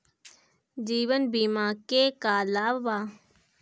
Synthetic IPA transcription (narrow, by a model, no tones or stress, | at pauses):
d͡ʒiːʋənbiːmaːkeːkaːlaːʋaː